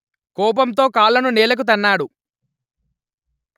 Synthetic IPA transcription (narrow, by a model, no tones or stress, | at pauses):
kɔːp̬ɐmt̪o̞ːkaːlːɐnunɛːlɐk̬ut̪̬ɐnːaːɽu